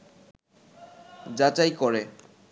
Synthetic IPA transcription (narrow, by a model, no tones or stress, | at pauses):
d͡ʑat͡ɕajkɔɾe